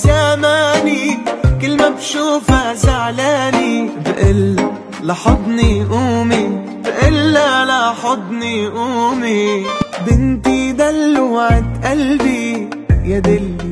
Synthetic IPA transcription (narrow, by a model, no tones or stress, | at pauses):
zamaːnikɪlːmabʃuːfazaʕlaːnibʔɪlːa | lɑħɑd̪ˤnijʔuːmi | bʔɪlːalaħɑd̪ˤnijʔuːmibɪnt̪id̪alːaʕɪt̪ʔalbi | jad̪ɪl